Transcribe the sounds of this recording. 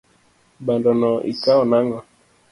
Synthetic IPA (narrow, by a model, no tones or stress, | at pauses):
bandɔnɔʔḭkaɔnaŋɔ